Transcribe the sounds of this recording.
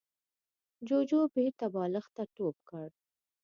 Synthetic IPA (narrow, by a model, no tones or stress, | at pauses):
d͡ʒod͡ʒobet̪abɑləxt̪aʈopkəɽ